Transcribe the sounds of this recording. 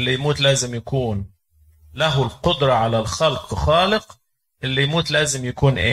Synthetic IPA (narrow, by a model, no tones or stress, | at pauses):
lːijmuːt̪læːzɪmjakuːn | laɦʊlqʊd̪ɾˤɑʕalalxalqxɑːlɪq | ʔɪlːijmuːt̪læːzɪmjakuːnʔeː